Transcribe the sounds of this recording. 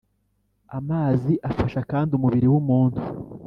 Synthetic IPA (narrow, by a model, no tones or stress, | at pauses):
amaːziʔafaʃakaːndiumuβiɾiwumuːntu